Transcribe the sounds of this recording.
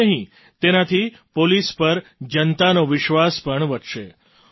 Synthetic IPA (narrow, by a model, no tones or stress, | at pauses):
əɦĩ | t̪enat̪ʰi | polispəɾd͡ʒənt̪anoʋɪʃʋaspəɳʋəʈʃe